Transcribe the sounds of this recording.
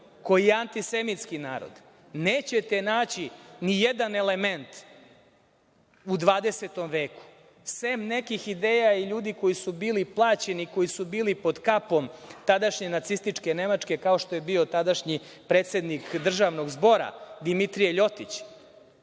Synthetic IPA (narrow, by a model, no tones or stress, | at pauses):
ko̞jijeant̪isemit̪skinaːɾo̰d̪ | neːt͡ɕe̞t̪e̞naːt͡ɕinijed̪ane̞le̞me̞nt̪ | ud̪ʋaːd̪e̞set̪o̞mʋeːku̥ | semne̞kixid̪e̞ːjaiʎuːd̪iko̞jisubiːliplˠaːt͡ɕeniko̞jisubiːlipo̞d̪kapo̞mt̪ad̪aʃɲe̞nat̪sist̪it͡ʂke̞ne̞mat͡ʂke̞kao̞ʃt̪o̞jebiot̪ad̪aʃɲi | pɾeːt̪se̞d̪nikd̪r̩ʒaʋno̞ɡzbo̞ɾa̰d̪imit̪ɾijeʎo̞t̪it͡ɕ